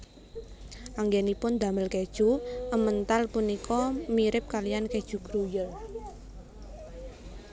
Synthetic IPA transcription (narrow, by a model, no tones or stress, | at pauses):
ʔaŋɡenipʊnd̪a̤məlked̥ʒ̥uʔəmənt̪alpunikɔmiɾɪp̚kalijanked̥ʒ̥ṳɡ̥ɾujəl